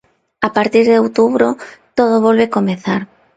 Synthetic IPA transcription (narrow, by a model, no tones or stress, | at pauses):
apaɾt̪iɾðeowt̪uβɾot̪oð̞oβolβekomeθaɾ